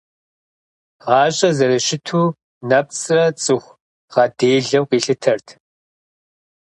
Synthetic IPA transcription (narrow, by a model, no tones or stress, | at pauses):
ʁɑːɕʼɐzɐɾɨʃɪtʰuː | nɐp̚t͡sʼrɐt͡sʼɨxʷ | ʁɐdeːɮɐwqʷʼiːɬɨtʰɐrtʰ